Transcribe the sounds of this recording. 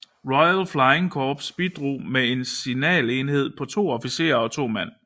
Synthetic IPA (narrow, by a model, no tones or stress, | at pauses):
ʁɒɪælflɑ̈ɪeŋkʰɒːb̥sb̥id̥ʁṵːmee̝nsinɛ̰ːle̝ːnhe̝ð̞̰ˠpʰɒ̽t͡sʰo̝̰ːɒ̽fise̝̰ːɐɒ̽t͡sʰo̝̰ːmæn̰